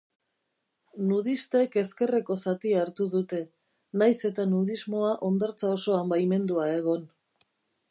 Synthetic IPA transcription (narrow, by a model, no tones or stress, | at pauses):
nuð̞ist̪e̞ke̞ske̞reko̞sat̪iaːɾt̪uðut̪e̞ | najse̞t̪anuð̞izmo̞aʔo̞nd̪aɾt͡sao̞so̞ambajme̞nd̪uae̞ɣ̞o̞n